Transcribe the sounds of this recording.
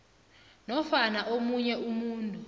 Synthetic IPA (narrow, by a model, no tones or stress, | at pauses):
nɔfanaʔomuɲɛumuːntʼu